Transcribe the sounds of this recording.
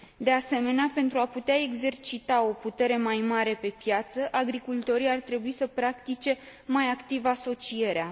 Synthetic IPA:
d̪e̞ase̞me̞neape̞nt̪ɾuaput̪eae̞ɡze̞rt͡ʃit̪ao̞put̪e̞ɾe̞majmaɾe̞pe̞pjat̪səʔaɡɾikult̪o̞ɾiart̪ɾe̞buisəpɾakt̪it͡ʃe̞majakt̪ivaso̞t͡ʃije̞ɾea

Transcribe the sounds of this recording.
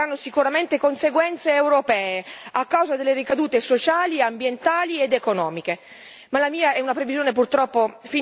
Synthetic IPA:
anːosikuɾament̪ekonseɡwɛnt̪seːwɾopɛːeakːawzad̪elːeɾikad̪uːt̪esot͡ʃaːliambjent̪aːlied̪ekonɔːmike | malamiːaɛunapɾevizjoːnep̬urt̪ɾɔpːofi

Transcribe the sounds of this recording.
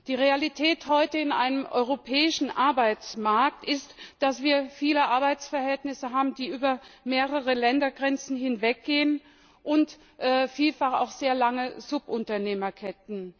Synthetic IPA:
d̥iːʁealitʰɛːthɔʏtəɪnʔa̰ɪnəmʔɔ̰ʏʁopʰɛːɪʃn̩ʔaɐbaɪt͡smaɐk̚tɪstd̥asv̥iːɐfiːləʔaɐbaɪt͡sfɛɐɦɛltnɪsəɦaːbm̩diːʔyːbɐmeːʁəʁəlɛndɐɡʁɛnt͡sn̩hɪnvɛk̚ɡ̥eːən | ʔʊnt | ʔɛːfiːlfaχa̰ʊxz̥eːɐlaŋəzʊpʔʊntɐneːmɐkʰɛtn̩

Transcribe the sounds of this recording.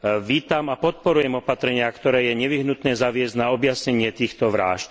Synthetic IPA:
ʋiːt̪amapɔt̪̚pɔɾujɛmɔpat̪ɾɛɲɪakt̪ɔɾɛːjɛɲɛʋiɦnut̪nɛːzaʋɪɛznaɔbjasɲɛɲɪɛt̪iːxt̪ɔʋɾa̰ːʃ

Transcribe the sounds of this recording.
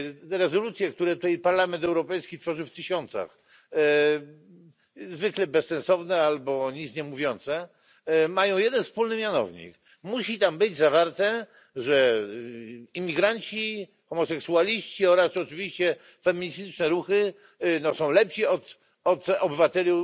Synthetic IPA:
ɾɛzɔlut̪sʲjɛkt̪uɾɛt̪ut̪ɛjpaɾlamɛnt̪ɛwɾɔpɛjskʲit̪fɔʐɨft̪ɘɕɔnt̪sa̰x | zvɘklɛbɛssɛ̃nsɔvnɛalbɔɲit̪sɲɛmuvʲjɔnt̪sɛ | majɔ̃w̃jɛd̪ɛnfspulnɘmʲjanɔ̰vɲḭk | muɕit̪ambɘd͡ʑzavaɾt̪ɛ | ʐɛ | imʲiɡɾaɲt͡ɕi | xɔmɔsɛksualʲiɕt͡ɕiɔɾasɔt͡ʂɘvʲiɕt͡ɕɛ | fɛmʲiɲist̪ɘt͡ʂnɛɾuxɘ | nɔsɔ̃w̃lɛpɕiɔt̪ | ɔt̪ɔbɘvat̪ɛlʲu

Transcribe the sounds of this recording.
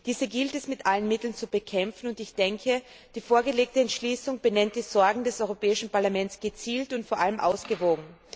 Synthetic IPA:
d̥iːzəɡɪltɛsmɪtʔalənmɪtl̩nt͡subəkʰɛmfn̩ʊntɪçd̥ɛŋkʰə | d̥iːfoːɐɡəleːk̚təɛntʃliːsʊŋb̥ənɛnt̚d̥iːzɔɐɡŋ̩dɛsɔʏʁopʰɛːɪʃn̩paɐlamɛnt͡sɡ̥ət͡siːltʊntfoːɐʔaləmʔa̰ʊsɡ̥əvoːɡŋ̩

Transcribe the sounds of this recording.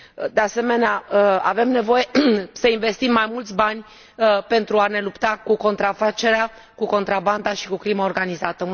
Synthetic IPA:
d̪e̞ase̞me̞neaəa̰ve̞mne̞vo̞je̞səinve̞st̪imːajmult̪sʲbanʲ | pe̞nt̪ɾuane̞lupt̪akuko̞nt̪ɾafat͡ʃe̞ɾea | kuko̞nt̪ɾaband̪aʃi̥kukɾimaorɡanizat̪ə

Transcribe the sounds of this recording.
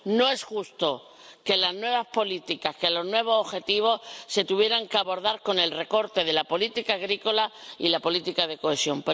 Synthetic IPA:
no̞e̞sxust̪o̞ | ke̞laznwe̞β̞aspo̞lit̪ikaske̞lo̞znwe̞β̞o̞soxe̞t̪iβ̞o̞sse̞t̪uβje̞ɾaŋkeaβo̞ɾðaɾko̞ne̞lre̞ko̞ɾt̪e̞ð̞e̞lapo̞lit̪ikaːɣ̞ɾiko̞lailapo̞lit̪ikaðe̞ko̞e̞sjo̞mpo

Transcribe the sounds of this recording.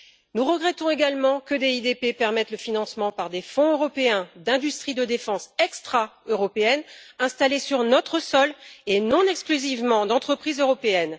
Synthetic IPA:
nuʁəɡʁɛt̪ɔ̃eɡalmɑ̃kəd̪eid̪epepɛʁmɛt̪ləfinɑ̃smɑ̃paʁd̪efɔ̃øʁɔpeɛ̃d̪ɛ̃d̪yst̪χid̪əd̪efɑ̃sɛkst̪χaøʁɔpeɛnɛ̃st̪alesyʁnɔt̪χəsɔlenɔ̃nɛksklyzivmɑ̃d̪ɑ̃t̪χəpχizøʁɔpeɛn

